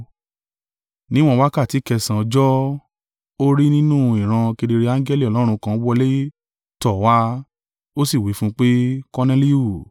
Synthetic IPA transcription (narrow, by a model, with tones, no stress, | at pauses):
nĩ˦w̃ɔ̃˦wa˦ka˦˨ti˨˦kɛ˧sã˨ɔ˧d͡ʒɔ˦ | o˦ɾi˦nĩ˦nũ˦i˨ɾ̃ã˧ke˧de˧ɾe˧ã˦ŋɡɛ˦li˦˨ɔ˨lɔ˦ɾ̃ũ˧kã˦wɔ˦le˦ | tɔ˨wa˦ | o˦si˦˨wi˨˦fũ˦k͡pe˦kɔ˦nɛ˦li˦o˨